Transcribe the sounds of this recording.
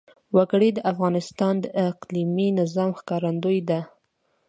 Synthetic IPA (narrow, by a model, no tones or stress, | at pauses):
waɡɽid̪əʔafɣɑnɪst̪ɑnd̪əʔɪqliminɪzɑmxkɑɾand̪ojd̪a